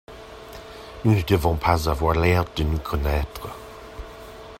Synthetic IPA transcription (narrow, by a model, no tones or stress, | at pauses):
nunəd̪əvɔ̃pʰazavwaʁlɛʁd̪ənukʰɔnɛːt̪χə